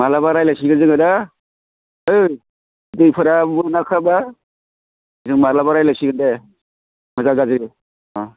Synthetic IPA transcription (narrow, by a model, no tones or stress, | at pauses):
malabaɾajlasiɡazɯŋada | ɯj | dɯjpʰɯɾamɯnakʰaba | zɯŋmalabaɾajlasiɡɯnde | mɯzaɡazɯ | a